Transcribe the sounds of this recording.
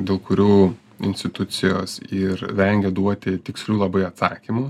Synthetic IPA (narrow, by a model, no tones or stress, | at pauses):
d̪ʲeːlˠkʊɾʲuː | ɪ̰nʲsʲt̪ʲɪt̪ʊt̪sʲɪjoːsɪɾʋʲɛŋʲɡʲɛd̪uɔt̪ʲɪt̪ʲɪksʲlʲuːlˠɐbɐɪɐt̪sɑːkʲiːmu